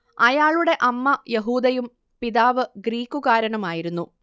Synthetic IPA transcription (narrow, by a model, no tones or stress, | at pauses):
ɐjaːɭuɽe̞ʔɐmːɐjeɦuːd̪ɐjum | piðaːʋɨɡɾiːkːuɣaːɾɐɳɐmaːjiɾunːu